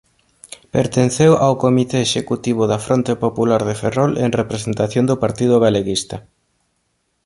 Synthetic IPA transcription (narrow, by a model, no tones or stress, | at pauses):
peɾt̪en̟θewʔawkomit̪eːʃekut̪iβ̞ʊðɐfɾont̪epopulaɾðeferɔlḛŋrepɾesent̪aθjond̪ʊpaɾt̪ið̞ʊɣaleɣist̪ɐ